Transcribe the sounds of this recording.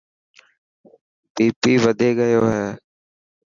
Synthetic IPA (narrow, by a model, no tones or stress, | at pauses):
ɖiːpiːʋəd̪ʱeːɡəjoːɦɛː